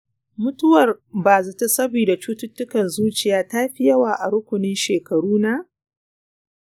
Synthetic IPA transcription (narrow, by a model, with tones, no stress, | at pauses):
mʊ˦tʊ˦wɐ˨rbaː˨zɐ˨ta˦sɐ˦biː˨da˨t͡ʃuː˦tʊ˦tːʊ˦kɐ˨nzuː˦t͡ʃɪ˨jaː˦ta˦ɸɪ˦jɐ˦waː˦ʔa˨ɾʊ˦kʷʊ˨nɪ˦nʃeː˨kɐ˨ɽuː˦na˦ʔ